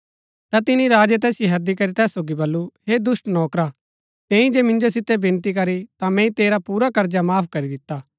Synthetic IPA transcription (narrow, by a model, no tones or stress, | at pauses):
t̪at̪ɪniɾaːd͡ʒet̪̬ɛːsjoɦɐd̪ikɐɾit̪ɛːsːoːɡibɐlːuɦed̪ʊsʈnɔːkɾa | t̪ɛ̃ːĩd͡ʒeːmɪ̃nd͡ʒosɪt̪ːebɪ̃nt̪ik̬ɐɾit̪ãmɛ̃ːĩt̪eːɾapuːɾakɐɾd͡ʒamaːpʰkɐɾid̪ɪt̪ːaː